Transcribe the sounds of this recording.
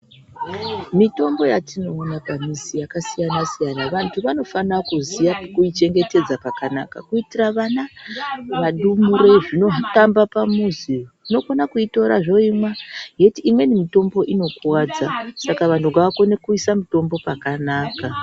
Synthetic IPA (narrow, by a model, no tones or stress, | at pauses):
mito̞mbo̞jatino̞ːnapamizijakasijanasijanaʋantʰuʋano̞fanakuzijakuit͡ʃe̞ŋɡe̞te̞d͡zapakana̰ka̰kuitiraʋana | ʋaɗumuɾe̞ʐino̞ɦtambapamuzi | uno̞konakuito̞ɾa̰ʐo̞imwajetiːmwe̞nimito̞mbo̞ʔino̞kuwad͡zasakaʋantuɡaʋako̞ne̞kuisamito̞mbo̞pakanaːka